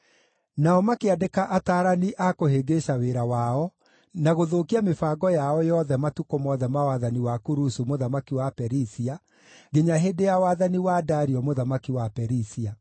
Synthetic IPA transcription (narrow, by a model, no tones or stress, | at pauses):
naɔmakeadekaʔataːɾaniʔakoheɡeʃaweɾawaɔ | naɣoðoːkiamefaɡɔjaɔjɔðɛmatukomɔðɛmawaðaniwakuɾusumoðamakiwapɛɾisia | ɡeɲaɦedejawaðaniwadaɾiɔmoðamakiwapɛɾisia